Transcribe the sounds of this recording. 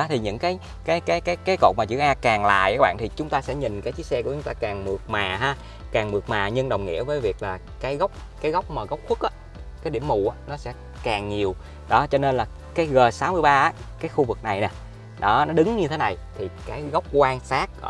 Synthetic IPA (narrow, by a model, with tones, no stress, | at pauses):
ɔ˨˦t̪ʰi˨˩ɲɨ̰˧˥ŋkaː˨˦j | kaː˨˦jkaː˨˦jkaː˨˦jkaː˨˦jko̰˧˨˩t̚maː˨˩t͡ɕɨ̰˧˥ʔaː˧kaː˨˩ŋla̰ː˧˨jʔaː˦ɓa̰ː˧˨nt̪ʰi˨˩t͡ɕʊ˨˦ŋ͡mt̪aː˧sɛ̰˧˥ɲï˨˩ŋ̟kaː˨˦jt͡ɕi˦˥sɛ˧kət͡ɕʊ˨˦ŋ͡mt̪aː˧kaː˨˩ŋmɨ˨˩ək̚maː˨˩ɦaː˧ | kaː˨˩ŋmɨ˨˩ək̚maː˨˩ɲɨ˧ŋɗə˨˩wŋ͡mŋḭ˧˥əvəː˨˦jvi˨˩ək̚laː˨˩ | kaː˨˦jɣə˦˥wk͡p̚kaː˨˦jɣɔ˦˥wk͡p̚maː˨˩ɣə˦˥wk͡p̚xʰu˦˥k̚ʔaː˨˦ | kaː˨˦jɗḭ˧˩əmṵ˧˩ʔaː˨˦nɔ˨˦sɛ̰˧˥ | kaː˨˩ŋɲi˨˩əw | ɗɔ˨˦t͡ɕɔ˧ne˧nlaː˨˩ | kaː˨˦jɣəː˨˩saː˨˦wmɨ˧əjɓaː˧ʔaː˨˦ | kaː˨˦jxu˧vɨ˨˩k̚na˨˩jnɛ˨˩ | ɗɔ˨˦nɔ˨˦ɗɨ˨˦ŋɲɨ˧t̪ʰe˨˦na˨˩jt̪ʰi˨˩kaː˨˦jɣa˦˥wk͡p̚kwaː˧ŋsaː˦˥k̚ː